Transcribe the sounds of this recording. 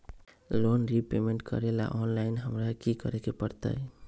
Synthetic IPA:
lonɾipemeɳʈkə̰ɾela̰ʔɔnlajnɦəmɾakikə̰ɾekepəɾt̪ə̰j

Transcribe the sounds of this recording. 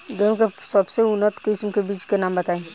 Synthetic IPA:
ɡẽkesəbseʊnət̪kɪsmkebiːt͡ʃkenaːmbət̪aːẽ

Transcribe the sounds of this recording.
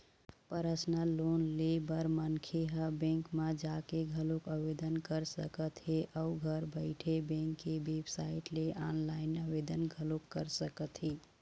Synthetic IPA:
pəɾəsnalonlebəɾmənkʰeɦəbẽŋkmãd͡ʒakeɡʱəlokəbed̪ənkəɾsəkət̪ɦeʔəuɡʱəɾbəɪʈʰebẽŋkːeʋebsaɪʈleʔɔnlaɪnəbed̪ənɡʱəlokːəɾsəkət̪ɦe

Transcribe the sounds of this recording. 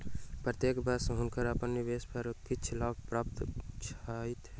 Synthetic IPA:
pɾət̪jekbəsɦʊnkəɾəpənːibespʰəɾkit͡ʃʰlab̚pɾaːp̚t̪t͡ʃʰait̪ɦɛ

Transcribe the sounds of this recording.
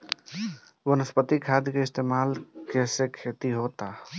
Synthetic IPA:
bənəspət̪ikʰad̪keɪst̪eːmaːlkesekʰet̪iɦot̪a

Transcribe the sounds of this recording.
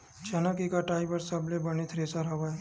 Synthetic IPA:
d͡ʒɐnəkikaʈaːɪbəɾsɐblebɐnit̪ʰɾeːsaɾɐʋaɛ

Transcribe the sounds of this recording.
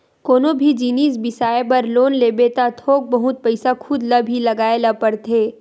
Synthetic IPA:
koːnobʱid͡ʒiːniːsbɪsaːepɐɾloːnleːbeːt̪at̪ʰoːk̚bɐɦʊt̪̚pɐɪsakʰʊd̪lɐbʱilɐɡaːelapɐɾt̪ʰeː

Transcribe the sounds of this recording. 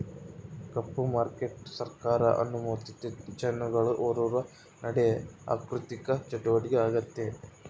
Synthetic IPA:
kɐpːumaːɾkeʈsɐɾkaːɾɐʔɐ̰nːumoːt̪it̪ːet͡ʃɐnːuɡɐɭuʔoːɾuːʋɐ | nɐɽeja̰ːkɾut̪ikɐt͡ʃɐʈuʋɐɽiɡeaːɡɐt̪ːe

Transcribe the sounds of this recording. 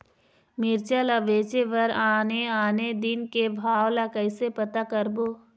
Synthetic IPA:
mɪɾt͡ʃaləʋeːt͡ʃeʋɐɾaːneaːned̪ɪnkebʱaːʋlakəɪsepɐt̪akəɾboː

